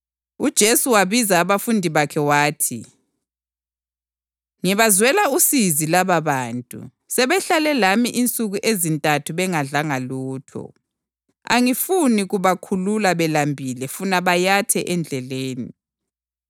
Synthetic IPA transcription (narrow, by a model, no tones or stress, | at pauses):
ud̥ʒ̥ʱesuwaβizaːβafundʱiβakʰɛwaːtʰḭ | ŋiβazwɛlausizilaβaβaːntʼṵ | sɛβɛɬalɛlamiʔint͡sʼuɣuʔezintʼatʰuβɛŋaɮaŋaluːtʰɔ̰ | a̰ŋifuniɣuβakʰululaβɛlambʱilɛfunaβajatʰɛʔɛnd͡ɮʱɛleːnḭ